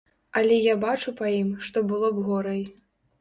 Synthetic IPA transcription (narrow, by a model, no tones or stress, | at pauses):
ɐlʲɛjabat͡ʂupɐjimʂt̪ɔbɨlˠɔbɣɔɾɐj